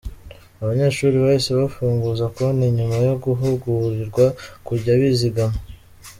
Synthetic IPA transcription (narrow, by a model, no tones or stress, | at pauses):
aβaɲe̞ːʃuːɾiβaiseβafuːŋɡuːzakoniɲumajo̞ɡuɦuɡuɾiɾɡwakuɾɟaβiziɡamo